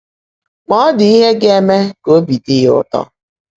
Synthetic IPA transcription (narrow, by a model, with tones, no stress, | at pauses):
k͡pɔ˦dɪ˨i˦ɦe˦ɡe˦me˦ko˦bi˨dɪ˦jʊ̰˦tɔ̰˦